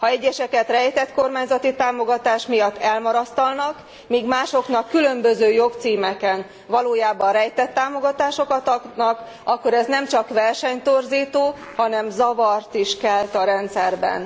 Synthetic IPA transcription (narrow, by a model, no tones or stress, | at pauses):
hɒɛɟːɛʃɛkɛt̪rɛjt̪ɛt̪ko̞rmaːɲzɒt̪it̪aːmo̞ɡɒt̪aːʃmijɒt̪ːɛlmɒɾɒst̪ɒlnɒk | miːɡmaːʃo̞knɒkːylø̞mbøzøːjo̞kt̪siːmɛkɛn | vɒloːjaːbɒnrɛjt̪ɛt̪ːaːmo̞ɡɒt̪aːʃo̞kɒt̪nɒk | ɒkːo̞ɾɛznɛmt͡ʃɒkʋɛrʃɛɲt̪o̞rziːt̪oː | hɒnɛmzɒvɒrt̪iʃkɛlt̪ɒɾɛnt̪sɛrbɛ̰n